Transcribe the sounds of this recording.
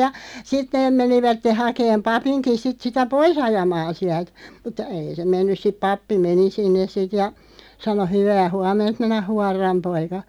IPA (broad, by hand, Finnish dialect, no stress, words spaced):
jɑ sit neːm̆ meniʋætːe hɑkeːm pɑpinki sit sitæ pois ɑjɑmɑːn siælt mutˑɑ̆ ei se menːys sip̆ pɑpːi meni sinːes sit jɑ sɑno hyʋæː huɑmˑent minæ huɑrːɑm poikɑ